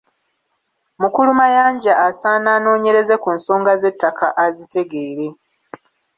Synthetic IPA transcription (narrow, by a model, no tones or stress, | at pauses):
mukulumajaːɲɟaːsaːnaːno̞ːɲe̞ɾe̞ze̞kunso̞ːŋɡaze̞tːakʰaʔazite̞ɡe̞ːɾe̞